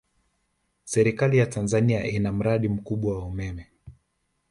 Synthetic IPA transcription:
sɛɾikalijatanzaniaʔinam̩ɾaɗim̩kuɓwawaumɛmɛ

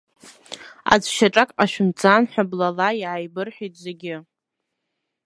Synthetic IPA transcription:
a̰d͡zʷʃaʈ͡ʂʼakʼqʼaʃᶣʊmt͡sʰʼanħʷᶣablalaiʕajbɨrħʷᶣijtʼzeɡʲɪ

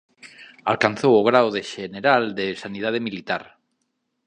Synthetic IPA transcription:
a̰lkanθowoɣ̞ɾawðeʃeneɾald̪esanið̞að̞emilit̪aɾ

